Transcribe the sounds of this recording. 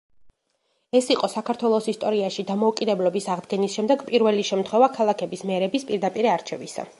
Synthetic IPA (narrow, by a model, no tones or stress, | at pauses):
ɛsiqʼɔsakʰaɾt̪ʰwɛlˠɔsist̪ʼɔɾiaʃid̪amɔukʼid̪ɛblɔbisaʁd̪ɡɛnisʃɛmd̪ɛɡpʼiɾvɛliʃɛmt̪ʰχwɛvakʰalˠakʰɛbismɛɾɛbispʼiɾd̪apʼiɾiaɾt͡ʃʰɛvisa̰